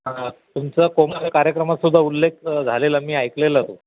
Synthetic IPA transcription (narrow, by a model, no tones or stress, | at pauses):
t̪umt͡sakomalakaɾjəkɾəmat̪sud̪ʱːaulːek̚d͡zʱaleləmiːajklelat̪o